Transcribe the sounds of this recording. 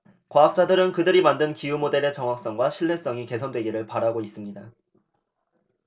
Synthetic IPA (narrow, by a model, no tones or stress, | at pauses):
kwaɦak̚t͡ɕ͈adɯɾɯnkɯdɯɾimandɯnkijumode̞ɾe̞t͡ɕʌŋɦak̚s͈ʌŋɡwaɕʰiɭːe̞s͈ʌŋike̞sʰʌndwe̞ɡiɾɯɭpaɾɦaɡois͈ɯmɲida